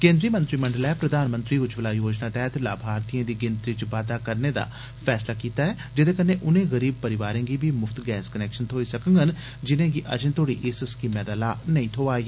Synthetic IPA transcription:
kẽːnd̪ɾiːmə̃nt̪ɾiːməɳɖəlɛːpɾəd̪aːnmə̃nt̪ɾiːʋʊt͡ʃʋəlaːjoːd͡ʒnaːt̪ɛːt̪la̰ːbʱaːɾt̪ijãːd̪iːɡɪnt̪ɾiːt͡ʃʋaːd̪aːkəɾneːd̪a̰ː | pʰɛːslaːkiːt̪aːɛːd͡ʒɪd̪eːkənːeːʔʊnẽːɣəɾiːb̚pəɾɪʋaːɾẽːɡiːbiːmʊfʰt̪ɡɛːskənɛːkʃənt̪ʰoːisəkə̃ŋɡɦən | d͡ʒɪnẽːɡiːʔə̰d͡ʒnt̪ʰoːɽiːʔɪsəskiːmɛ̃ːd̪aːlaːnəĩːt̪ʰoːaːi

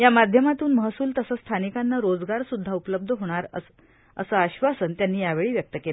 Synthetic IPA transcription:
jamad̪ʱjəmat̪uːnməɦsuːlt̪əsəst̪ʰanikanːaɾod͡zɡaɾsud̪ʱːaupləb̚d̪ʱəɦoɽ̃aɾə | ə̰saəɕʋasənt̪janːiːjaʋeɭiːʋjək̚t̪əkela

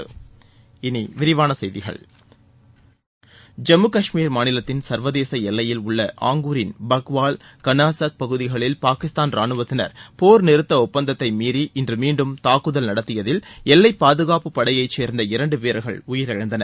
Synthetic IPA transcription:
ɪniʋɪɾɪʋaːnɐsɛjðɪɣɐ̰ɭ | d͡ʒɛmɯkɐʂmiːɾmaːnɪlɐt̪ːɪnsɐɾʋɐðeːsɐɛlːɐjɪlʊɭːɐʔaːŋɡuːɾɪnbɐɣʋaːlkɐnaːsɐk̚pɐɣɯðɪɣɐɭɪlpaːkɪst̪aːnɾaːnɯʋɐt̪ːɪnɐ̰ɾpoːɾnɪɾɯt̪ːɐʊpːɐnd̪ɐt̪ːɐɪmiːɾiʔɪndrɯmiːɳɖɯmt̪aːkːɯðɐlnɐɽɐt̪ːɪjɐðɪlɛlːɐɪpːaːðɯɣaːpɯpːɐɽɐjɐɪt͡ʃːeːɾnd̪ɐɪɾɐɳɖɯpeːɾɐɣɐ̰ɭʊjɪɾɐɻɐnd̪ɐnɐɾ

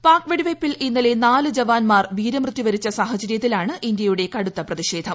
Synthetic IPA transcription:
paːrkʋeɽiʋɐjpːilinːɐle̞naːlɨd͡ʑɐʋaːnmaːrʋiːɾɐmrɨt̪ːiʋɐɾit͡ɕːɐsaːɦɐd͡ʑɐɾjɐt̪ːilaːɳɨʔind̪jɐjuɽe̞kɐɽut̪ːɐprɐðiɕe̞ːd̪ʱɐm

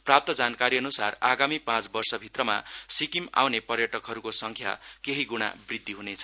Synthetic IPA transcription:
prap̚t̪ʌd͡zankaɾiʌnusaraɡamipãt͡sbʌrsʌbʱit̪rʌma̰sikima̰wnepʌrjʌʈʌkɦʌɾukosʌŋkʰja̰keɦiɡuɽ̃a̰brid̪ʱːiɦunet͡sʰʌ̥

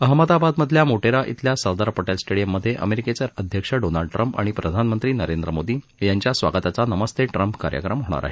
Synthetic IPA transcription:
əɦmət̪abad̪məd̪ʱljamoʈeɾaʔḭt̪ljasəɾd̪aɾpəʈelsʈeɽijəmːəd̪ʱːjeʔə̰meɾiket͡ɕjaɾəd̪ʱjəkʂəɖonalɖʈɾəmpa̰ɽ̃ipɾəd̪ʱanmənt̪ɾiːnəɾend̪ɾəmod̪iː | jaɲt͡ɕjasʋa̰ɡət̪at͡sanəməst̪eʈɾəmpkaɾjə̰kɾəmɦoɽ̃a̰ɾʔa̰ɦe

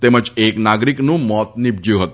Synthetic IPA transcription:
t̪eməd͡ʒeknaɡɾiknũmɔt̪̚nɪb̚d͡ʒjũɦət̪

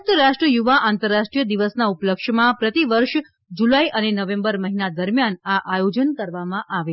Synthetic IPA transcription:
t̪əɾaʂʈɾəjuʋaʔant̪əɾːaʃʈɾijəd̪iʋəsnaupləkʃmãpɾət̪iʋəɾʃ | d͡ʒulaiʔənenəʋẽmbəɾməɦinad̪əɾmjanaʔajod͡ʒənkəɾʋamãʔaʋe

